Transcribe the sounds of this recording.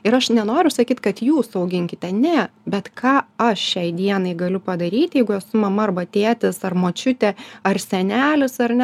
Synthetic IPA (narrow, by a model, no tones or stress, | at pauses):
ɪɾɐʃnʲɛnoːɾʲʊsɐkʲiːt̪kɐt̪juːsɐʊɡʲɪŋʲkʲɪt̪ʲɛnʲɛbʲɛt̪kʰɑːɐʃʃʲɛɪd̪ʲiɛnɐɪɡɐlʲʊpɐd̪ɐɾʲiːt̪ʲjɛɪɡʊɛsʊmɐmɐɐrbɐt̪ʲeːt̪ʲɪsɐrmoːt͡ʃʲʊt̪ʲɛɐrsʲɛnʲæːlʲʊsɐrnʲɛ